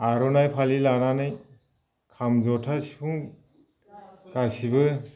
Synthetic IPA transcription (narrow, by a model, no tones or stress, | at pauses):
aɾɔnajpʰalilananɯj | kʰamzɔtʰasi̥pʰuŋ | kasibɯ